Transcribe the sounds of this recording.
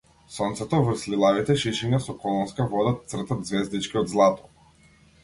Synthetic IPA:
sɔnt̪sɛt̪ɔvr̩slilˠavit̪ɛʃiʃɛɲasɔkɔlˠɔnskavɔd̪at̪sr̩t̪ad̪zvɛzd̪it͡ʃkʲiɔd̪zlˠat̪ɔ̥

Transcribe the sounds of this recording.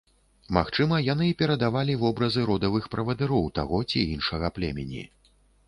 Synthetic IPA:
maxt͡ʂɨmɐjan̪ɨipʲɛɾɐd̪avalʲivɔbɾɐzɨɾɔd̪ɐvɨxpɾɐvɐd̪ɨɾɔwt̪a̰ɣɔt͡sʲiinʂɐɣɐplʲɛ̰mʲɛnʲḭ

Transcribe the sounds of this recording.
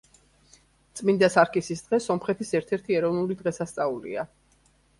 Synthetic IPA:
t̪sʼmind̪asaɾkʼisisd̪̥ʁɛsɔmχɛt̪ʰisɛɾt̪ʰɛɾt̪ʰiɛɾɔvnulid̪ʁɛsast̪sʼaulḭa

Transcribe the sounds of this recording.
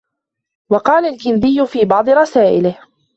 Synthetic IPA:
wɑqɑːlalkɪnd̪ɪjːʊfiːbɑʕd̪ˤɨɾˤɑsaːʔɪlɪh

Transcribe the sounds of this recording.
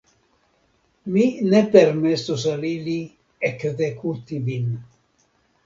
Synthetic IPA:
minɛpermɛsosalili | ɛkðekʰut̪ivin

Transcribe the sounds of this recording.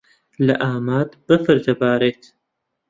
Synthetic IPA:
lɐ̰ʔaːmaːt̪b̥əfəɾt̪ɐbaːɾet̪

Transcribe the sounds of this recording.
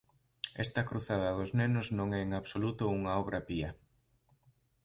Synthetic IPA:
ɛ̰st̪ɐkɾuθað̞ɐðoznenʊznõŋɛeŋaβsolut̪ʊuŋɐɔβɾɐpiɐ

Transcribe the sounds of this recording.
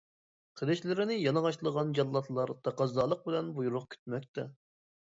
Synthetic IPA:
qʰəd̪ɪʃlɪɾɪnɪjɑnɑʁɑʃlˠəʁɑnd͡ʒɑlːˠɑt̪ʰlˠɑɾt̪ʰɑqɑzd̪ɑːlˠəq̚bɪlɛnbujuɾʊqkʲʰy̥t̪̚mɛk̚ʲt̪ɛ

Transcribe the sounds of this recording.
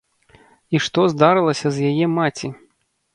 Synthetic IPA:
iʂt̪ɔzd̪aɾɨlˠɐsʲɐzjajɛmat͡sʲi

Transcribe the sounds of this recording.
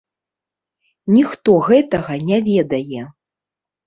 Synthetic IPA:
nʲixt̪ɔɣɛt̪ɐɣɐnʲavʲɛd̪ɐjɛ

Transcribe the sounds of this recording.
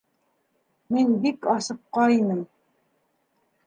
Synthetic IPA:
minbikɑsɤp̚qɑinɘm

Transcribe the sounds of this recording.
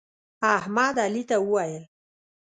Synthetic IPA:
ahmɑd̪alit̪awəwajəl

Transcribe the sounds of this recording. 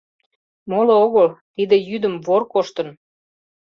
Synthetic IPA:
molooɣəlt̪id̪ĕjyd̪ə̆mvorkoʃt̪ə̆n

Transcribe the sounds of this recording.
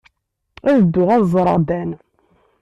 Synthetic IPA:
æðəd̪ːʊʁæðzˤɾˤɑd̪æn

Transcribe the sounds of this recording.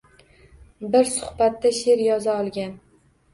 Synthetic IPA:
bɪɾsʊ̥hbat̪ːaʃe̞ɾjɒzaɒlˠɡʲan

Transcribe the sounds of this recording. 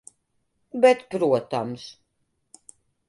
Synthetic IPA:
bɛt̪pɾuɔt̪ams

